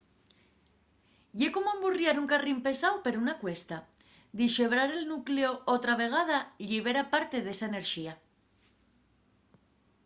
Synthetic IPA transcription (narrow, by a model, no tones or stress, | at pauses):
ʝe̞ko̞moamburjaɾuŋkarimpe̞sawpe̞ɾounakwe̞st̪a | d̪iʃeβ̞ɾaɾe̞lnukleoot̪ɾaβ̞e̞ɣ̞að̞aiʎiβ̞e̞ɾapaɾt̪e̞ðe̞saene̞ɾʃia